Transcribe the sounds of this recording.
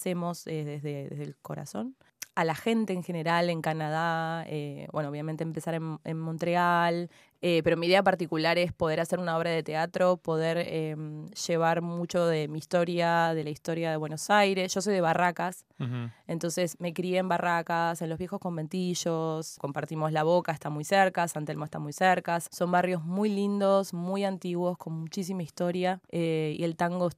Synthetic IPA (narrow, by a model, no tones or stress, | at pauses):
se̞mo̞seðezðeðḛzðḛlko̞̰ɾa̰so̞̰n | alaxe̞nt̪e̞ːŋxe̞ne̞ɾale̞ŋkanað̞aebwenooβjamẽnt̪eːmpe̞saɾenḛnmõnt̪ɾeal | epe̞ɾo̞miðe̞apaɾt̪ikulaɾespo̞ð̞e̞ɾase̞ɾunao̞βɾaðe̞t̪e̞at̪ɾo̞po̞ð̞eɾemʃe̞βaɾmut͡ʃo̞ðe̞miːst̪o̞ɾjaðe̞laist̪o̞ɾjaðe̞βwe̞nosajɾe̞sʒo̞so̞jðe̞β̞arakas | e̞nt̪o̞nse̞sme̞kɾieembarakase̞nlo̞ɦβje̞xo̞sko̞mbe̞nt̪iʃosko̞mpaɾt̪imo̞slaβo̞kaest̪amujseɾkasant̪elmoest̪amujseɾkasso̞mbarjo̞zmujlind̪o̞smujant̪iɣwo̞sko̞nmut͡ʃis̬imaist̪o̞ɾjaeḭe̞lt̪aŋɡo